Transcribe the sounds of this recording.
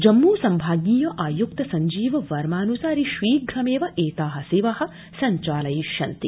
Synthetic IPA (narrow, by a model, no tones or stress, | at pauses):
d͡ʒɐmːuːsɐmbʱaːɡiːjɐʔaːjuk̚t̪ɐsɐɲd͡ʒiːʋɐʋɐɾmaːnusaːɾiʃʋiːɡʱɾɐmeːʋɐʔeːt̪aːɦɐsiʋɐɦɐ̆ | sɐɲt͡ʃaːlɐjiʃɐnt̪i